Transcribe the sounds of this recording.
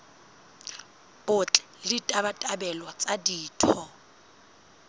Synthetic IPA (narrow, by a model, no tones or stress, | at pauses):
b̥ʊt͡ɬʼɛ̥ | lɪtʼabatʼabɛlwat͡sʼadiːtʰɔ